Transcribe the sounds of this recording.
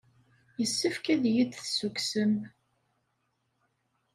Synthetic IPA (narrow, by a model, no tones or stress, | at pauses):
jəsːəfkæðjid̪θsuksəm